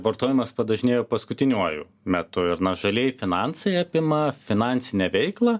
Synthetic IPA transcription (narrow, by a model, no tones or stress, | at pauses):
ʋɐɾt̪oːjɪmɐspɐd̪ɐʒʲɪnʲeːjoːpɐskʊt̪ʲɪnʲuɔjṵ | mʲɛt̪ʊɪɾnɐʒɐlʲeɛjfʲɪnɑnsɐɪɐpʲɪmɐfʲɪnɑnʲt̪sʲɪnʲɛʋʲɛɪklˠɐ